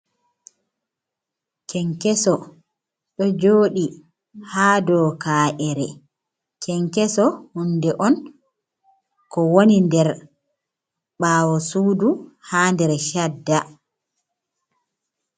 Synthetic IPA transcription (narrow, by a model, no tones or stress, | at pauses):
kɛŋkɛsɔ | ɗɔd͡ʒoːɗi | haːdɔːkaːʔɛɾɛ | kʰɛŋkɛsɔhundɛʔɔn | kɔwonindɛɾ | ɓaːwɔsuːduhaːndɛɾʃadːa